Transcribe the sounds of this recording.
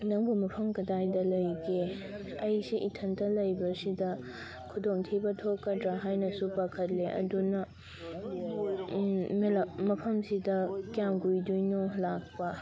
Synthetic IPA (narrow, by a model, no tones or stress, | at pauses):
nɐŋbumɐpʰɐmkɐdajdɐlɐjɡe | ɐjsiʔitʰɐntɐlɐjbɐsidɐ | kʰudoŋtʰibɐtʰokːɐdɾaɦajnɐsupakʰɐt̚leʔɐ̰dunɐ | melɐmɐpʰɐmsidɐkjamɡujdujnolak̚pɐ